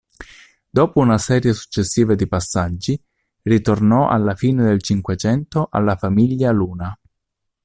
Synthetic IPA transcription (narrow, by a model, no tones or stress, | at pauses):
d̪oːpounasɛːɾjesu̥t͡ʃːesːiːvad̪ipasːad͡ʒːi | rit̪ornɔʔa̰lːafiːned̪elt͡ʃiŋkwet͡ʃɛnt̪oʔa̰lːafamiʎːaluːna